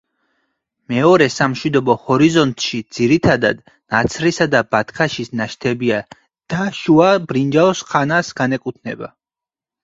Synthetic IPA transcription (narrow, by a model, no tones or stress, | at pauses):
mɛɔɾɛsamʃwid̪ɔbɔhɔɾizɔnt̪ʼʃid̪z̥iɾit̪ʰad̪a̰d̪ | nat̪sʰɾisad̪abat̪ʰkʰaʃisnaʃt̪ʰɛbia | d̪̥aʃuabɾind͡ʒaɔsχʰanasɡ̥anɛkʼut̪ʰnɛba̰